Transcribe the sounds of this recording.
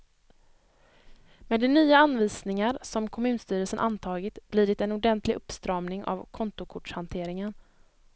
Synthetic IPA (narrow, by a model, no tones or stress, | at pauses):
meːd̪ɛnyːaanːviːsnɪŋaɾsɔmkʰɔmʉ̟ːnst̪yːɾəlsənʔant̪ʰɑːɡɪt̪b̥liːɖ̪ɪt̪ɛnʊɖɛnt̪ʰlɪɡʔɵpːst̪ɾɑːmnɪŋʔa̰vkʰɔnt̪ʊkʰʊʈʂhant̪ʰeːɾɪŋən